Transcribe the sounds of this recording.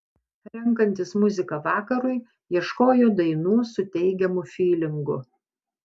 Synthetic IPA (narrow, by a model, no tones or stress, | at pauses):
ɾʲɛŋˑkɐnʲt̪ʲɪsmʊzʲɪkɐʋɑːkɐɾʊɪ | jiɛʃkoːjoːd̪ɐɪnuːsʊt̪ʲɛɪɡʲɛmʊfʲiːlʲɪŋɡʊ